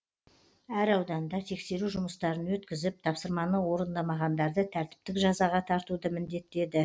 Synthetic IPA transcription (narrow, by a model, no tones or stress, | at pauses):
æɾɑwd̪ɑnd̪ɑt̪ʰe̞kse̞ɾuʒʊməst̪ɑɾənwɵt̪kʲɪzɪp̚t̪ʰɑpsəɾmɑnəwo̞ɾənd̪ɑmɑʁɑnd̪ɑɾd̪ət̪ʰæɾt̪ɪ̥p̚t̪ɪkʒɑzɑʁɑt̪ʰɑɾt̪ud̪əmɪnd̪e̞t̪ːe̞d̪ɪ